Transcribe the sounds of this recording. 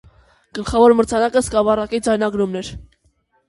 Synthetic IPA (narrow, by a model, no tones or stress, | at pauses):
ɡ̥əlχɑvɔɾməɾt͡sʰɑnɑkəskɑvɑrɑkid͡zɑjnɑɡɾumnɛɾ